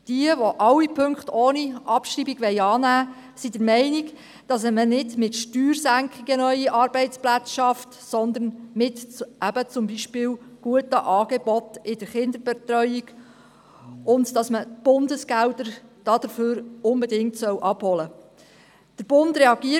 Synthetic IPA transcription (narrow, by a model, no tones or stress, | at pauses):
d̥iəʋoʔɑwːipʰɵŋkχtoːniʔɑpʃriːbiɡʋɛɪɑːnæː | sid̥əɾmɛɪniɡ | d̥ɑsmənɪdmɪtʃtyːɾsæŋkʰχiɡənœʏiʔɑɾb̥ɛɪtt͡splæt͡sʃɑft | sɔnd̪ənmɪtʔæbət͡sʊmbiʃpɪːwɡ̥uətəʔɑːɡ̥ebɔtɪd̥əɾχɪnd̪əɾbɛtrœʏiɡ | ʊndd̥ɑsməb̥ʊndəsɡ̥ældəɾd̥ɑːd̥əɾføːɾʊmbɛdɪŋtsœwʔɑb̥hɔlə | d̥əɾb̥ʊndɾɛɑɡiə